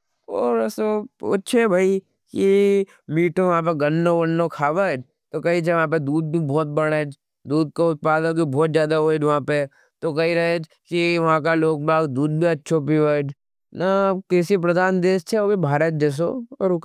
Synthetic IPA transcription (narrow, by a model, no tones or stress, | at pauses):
ɔːɾsoɐ̰tːʃʰebʱaːi | ki | miːʈʰõʋɐɦãp̬eɡɐnːoɡɐnːokʰaːʋəd͡ʒ | t̪okɐɦit͡ʃʰeʋɐɦãːp̬ed̪uːd̪̚bibɔːt̪̚bɐɽ̃ed͡ʒ | d̪uːd̪̚koʊt̪̚paːd̪ə̃k̪̬ibɔːt̪zjaːd̪aɦoːed͡ʒʋɐɦãpe | t̪okɐɦiɾɐɦed͡ʒ | kiʋɐɦãkaloːk̚baːɡd̪uːd̪̚bʱiɐtːʃʰopiʋəd͡ʒ | nakɛːsipɾɐd̪aːnd̪eːst͡ʃʰeoːbʱibʱaːɾət̪̚d͡ʒɛːs̬oɔ̰ːɾʊ